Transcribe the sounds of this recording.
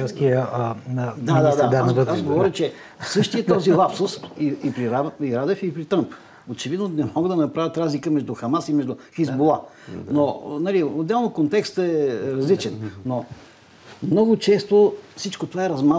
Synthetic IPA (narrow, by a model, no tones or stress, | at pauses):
kiə | d̪ad̪ad̪ad̪aazɡovɔɾʲət͡ʃɛ | sɤʃt̪iət̪ɔzilˠapsʊsiipɾiɾaiɾad̪ɛfipɾit̪ɤmp | ot͡ʃɛvid̪nonɛmɔɡəd̪ɐnɐpɾavʲət̪ɾazlikəmɛʒd̪uxɐmasimɛʒd̪ʊxizbolˠa | nonɐliod̪ːɛlˠnokont̪ɛkst̪ɛɾɐzlit͡ʃɛnno | mnɔɡʊt͡ʃɛst̪ofsit͡ʃkot̪ovaɛɾɐzma